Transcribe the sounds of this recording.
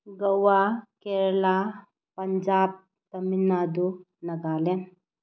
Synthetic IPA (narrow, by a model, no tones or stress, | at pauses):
ɡɐwakeɾla | pɐɲd͡ʒaːb̚ | t̪ɐminad̪u | nɐɡaːlen